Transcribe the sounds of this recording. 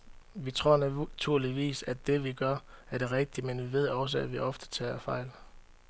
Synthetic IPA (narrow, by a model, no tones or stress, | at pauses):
ʋit͡sʰʁo̝ɐ̰næt͡sʰuɐ̰liʋḭːsæd̥e̝ʋiɡ̥ɶɐæɐɾ̥e̝ʁeɡ̥̚d̥imenʋiʋe̝ð̞̰ˠɒ̽s̬əæʋiʔɒ̽fd̥ə̥t͡sʰɛ̰ːɐfɑ̈ɪ̰l